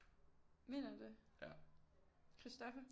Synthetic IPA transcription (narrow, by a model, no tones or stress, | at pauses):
me̝̰ːnɐd̥e̝ | kʰʁisd̥ɒfɐ